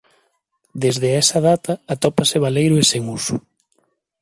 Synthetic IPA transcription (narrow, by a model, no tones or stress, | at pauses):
d̪ezðeɛsɐðat̪ɐːt̪ɔpaseβ̞alejɾʊeseŋusu